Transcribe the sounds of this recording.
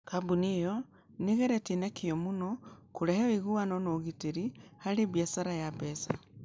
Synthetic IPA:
kabunijɔ | niɣeɾɛtinekʰijɔmunɔkuɾɛhɛiɣuanonoɣiteɾihaɾeβjasaɾajapɛsa

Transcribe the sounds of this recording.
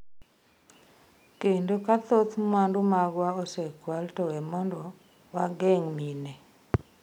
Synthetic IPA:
kendokat̪ot̪mwandumaɡwaɔsɛkwaltɔwɛmɔndɔ | waɡɛŋmine

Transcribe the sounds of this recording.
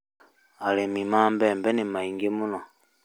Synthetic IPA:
alemimambɛmbɛnimaiŋɡemunɔ

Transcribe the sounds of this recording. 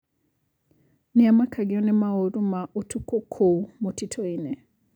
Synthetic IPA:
niamakʰaɡiɔnɛmaoɾumaʔotukɔkʰoumotitʰɔinɛ

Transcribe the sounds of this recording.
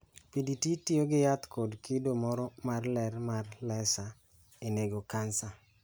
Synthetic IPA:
pidititioɡɪjat̪kodkɪdomɔɾɔmarlɛrmarlɛsa | eneɡokansa

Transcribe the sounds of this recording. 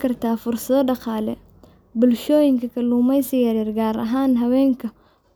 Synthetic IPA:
kɐrt̪ʰaːfʊrsɐðɔɖɑqɑːlɛ̰ | bʊlʃɔːjɪŋkʰɐkʰɐluːmɛjsɪjɐɾɛːrɡaːɾɐ̰ɦaːnɦɐwɛːŋkʰɐ | k

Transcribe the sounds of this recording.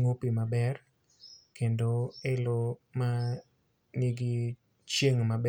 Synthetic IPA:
ŋopimabɛr | kendoeloma | niɡi | t͡ʃjeŋmabɛ

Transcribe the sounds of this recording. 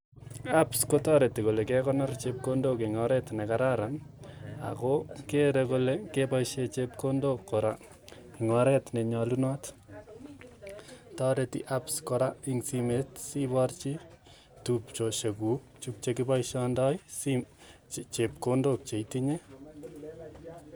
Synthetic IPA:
apskotɔɾetikolekɛkɔnɔrt͡ʃep̚kondokiŋɔɾɛtnekaɾaɾama̰kokeɾekolekepajʃet͡ʃep̚kondokːoɾa | iŋɔɾɛtneɲɔlunɔt | tɔɾetḭʔapskoɾaiŋsimetsibɔrt͡ʃi | tupt͡ʃoʃeku | t͡ʃup̚t͡ʃekipajʃɔndɔjsi | t͡ʃep̚kondok̚t͡ʃeitiɲe

